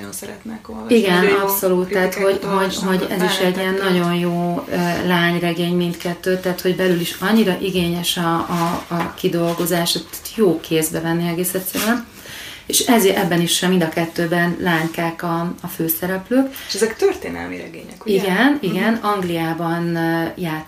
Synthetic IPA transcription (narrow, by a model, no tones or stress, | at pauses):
onsɛɾɛ̰t̪nɛkoliɡɛnɒpso̞lut̪ːaːt̪ho̞ɟɦo̞ɟɦo̞ɟɛ̰ziʃɛɟːiɛnːɒɟo̞njoːølaːɲrɛɡeːɲmint̪kɛt̪ːøːt̪ːɛːt̪ho̞ɟbɛlyliʃɒɲːiɾɒʔiɡeːɲɛʃɒː | kid̪o̞lɡo̞zaːʃɛt̪joːkʰeːzbɛvɛnːiɛɡeːsɛt̪sɛːɾɛn | eʃɛzʔɛbːɛniʃɛmind̪ɒkɛt̪ːøːbɛnlaːŋkaːkɒɒføːsɛɾɛpløːkʃɛzɛkt̪ørt̪eːnɛ̰lmḭɾɛ̰ɡeːɲɛkiɡɛniɡɛnɒŋɡlijaːbɒnjaː